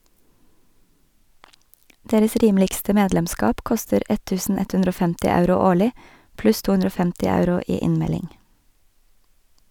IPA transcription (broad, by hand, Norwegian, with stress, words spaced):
ˈdeːɾəs ˈɾiːmlɪɡstə ˈmeːdlɛmˌskɑːp ˈkɔstəɾ ˈɛ ˈtʉːsn̩ ˈɛt ˈhʉndɾ ˈoː ˈfɛmtɪ ˈɑʉɾʊ ˈoːɭɪ ˈplʉs ˈtuː ˈʉnɾə ˈoː ˈfɛmtɪ ˈɑʉɾʊ ˈiː ˈɪnmɛlɪŋ